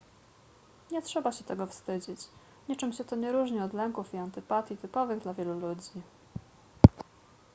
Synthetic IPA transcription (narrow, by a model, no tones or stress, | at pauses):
ɲɛtʂɛbaɕɛt̪ɛɡɔfst̪ɘd͡ʑit͡ɕ | ɲɛt͡ʂɘmɕɛt̪ɔɲɛɾuʐɲiɔd̪lɛŋkufiant̪ɘpat̪ʲjit̪ɘpɔvɘɣd̪lavʲjɛlulud͡ʑi